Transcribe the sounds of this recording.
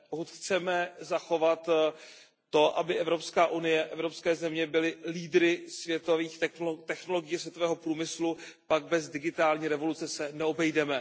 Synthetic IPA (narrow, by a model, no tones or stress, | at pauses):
pokut̪xt͡sɛmɛzaxo̞vat̪ː | o̞ʔa̰bɪʔɛvɾo̞pskaːʔunɪjɛʔɛvɾo̞pskɛːzɛmɲɛbɪlɪliːdɾɪsvjɛt̪oviːxt̪ɛxno̞lo̞ɡɪjɛsvjɛt̪ovɛːɦo̞pɾuːmɪslupaɡ̚bɛzdɪɡɪt̪aːlɲiːɾɛvo̞lut͡sɛsɛnɛo̞bɛjdɛmɛ